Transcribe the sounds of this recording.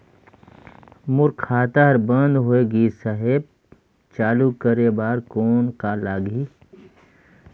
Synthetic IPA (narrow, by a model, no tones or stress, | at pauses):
mʊɾkʰːaːt̪aɦɐɾbə̃nd̪ɦoeɡiːsɐɦeb̚ | t͡ʃaːlukəɾebaːɾkoːnkaːlaːɡi